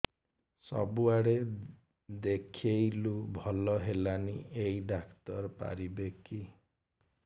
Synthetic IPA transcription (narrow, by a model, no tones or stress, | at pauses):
sɔ̰buaɽe | d̪ekʰiejlubʱɔlɔɦelanieiɖakt̪ɔɾpa̰ɾibeki